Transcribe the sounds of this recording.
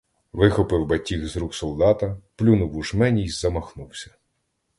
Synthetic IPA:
ʋɪxɔpɪwbɐtʲːixzɾuksɔlˠd̪ɑt̪ɐplʲunʊwuʒmɛnʲijzɐmɐxnuwsʲɐ̥

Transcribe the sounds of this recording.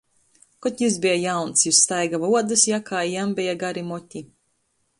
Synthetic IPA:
kɔt̪ʲjus̬bijajawnt̪sjust̪ajɡavuɔd̪ɨsjakaːjambɛjaɡaɾimɔt̪ʲi

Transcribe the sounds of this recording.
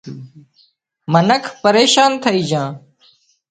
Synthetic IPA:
mənəkʰpəɾeːʃaːnt̪ʰəiːd͡ʒãː

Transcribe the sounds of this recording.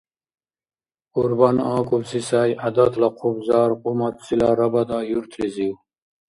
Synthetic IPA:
uɾbanɑːkubsisajad̪at̪lɐqʰubzɑːɾqumat̪silaːɾɐbɐd̪ɑːjuɾt̪ʰɾiziw

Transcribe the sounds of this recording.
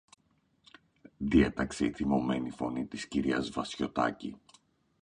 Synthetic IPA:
ðie̞t̪ɐkse̞iθimo̞me̞nifo̞nit̪isciɾiɐzvɐsço̞t̪ɐ̰cḭ

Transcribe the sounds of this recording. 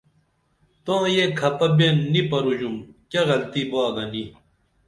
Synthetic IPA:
t̪õːjekʰɐpɐbeːnːipɐɾud͡ʑumkɐɣɐlt̪iboaːɡɐni

